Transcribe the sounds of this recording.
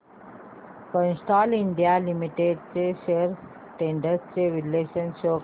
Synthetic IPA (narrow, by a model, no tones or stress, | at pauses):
kə̃nsʈaːliɳɖijalimiʈeɖt͡ɕeʃeəɾ | ʈẽːɳɖəɾst͡ɕeʋileːʃənʃoː